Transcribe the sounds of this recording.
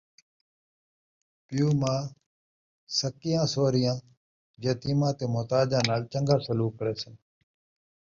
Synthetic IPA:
pɪjuːmãː | səkːɪjãːsoːɾɪjãː | d͡ʒeːt̪iːmãːt̪eːmʊːt̪aːd͡ʒãːnaːlt͡ʃəŋɡəɾsəluːkːəɾeːsən

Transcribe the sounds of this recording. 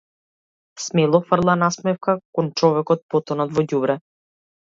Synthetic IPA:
smɛlˠɔfr̩lˠanasmɛfkakɔnt͡ʃɔvɛkɔt̪̚pɔt̪ɔnɔt̪vɔɟubɾɛ

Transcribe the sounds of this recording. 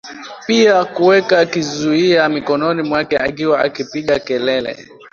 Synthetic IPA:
piakuwɛkakizuiamikɔnɔnimwakɛa̰k̬iwaa̰kipiɠakɛlɛlɛ̰

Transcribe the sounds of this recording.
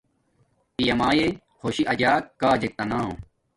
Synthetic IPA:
pijɐmaːje | hoɕiʔɐd͡ʑaːkːaːd͡ʑek̚t̪ɐnaːõ̰

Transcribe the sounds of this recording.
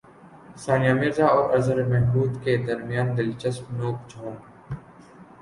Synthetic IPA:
saːnijaːmɪɾzaːɔːɾɐɾzəɾemɛɦbuːd̪ked̪ɐɾmijaːnd̪ɪlt͡ʃəsmnoːkd͡ʒʰʱoːɾ

